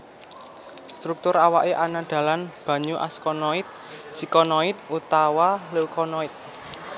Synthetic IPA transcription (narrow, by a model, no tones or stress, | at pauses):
st̪ɾuk̚t̪ʊɾawaʔeʔanad̪̥ä̤lanb̥ä̤ɲuʔa̰skɔnɔɪt̪̚ | sikɔnɔɪt̪̚ut̪awalukɔnɔɪt̪̚